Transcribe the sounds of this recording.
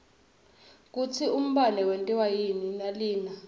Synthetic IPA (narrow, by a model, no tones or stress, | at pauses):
k̬ut͡sʰium̩ɓanɛwentʼiwajininaliːna